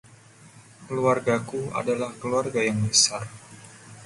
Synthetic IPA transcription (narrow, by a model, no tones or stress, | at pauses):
kəluarɡakua̰dalahkəluarɡajaŋbəsar